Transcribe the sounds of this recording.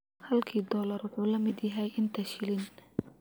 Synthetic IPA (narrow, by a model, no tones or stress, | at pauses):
hɐlkʰiːd̪ɔːlɐɾʊħuːlɐmɪd̪jɐɦɛjʔɪnt̪ʰɐʃɪlɪn